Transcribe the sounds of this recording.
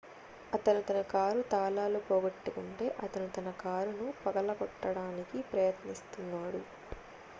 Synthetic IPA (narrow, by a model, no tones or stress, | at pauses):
ɐt̪ɐnut̪ɐnɐkaːɾut̪aːlaːlupɔːɡɐʈːɐkɐɳʈe̞ːʔɐt̪ɐnut̪ɐnɐkaːɾunupɐɡɐlɐkɔʈːɐɽaːnikipɾɐjɐt̪nist̪unːaːɽu